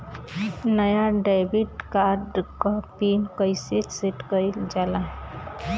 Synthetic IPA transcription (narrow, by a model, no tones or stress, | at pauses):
nəjaɖajbiʈkaɾɖkəpinkəjsiʈseʈkəɪld͡ʒalaɦ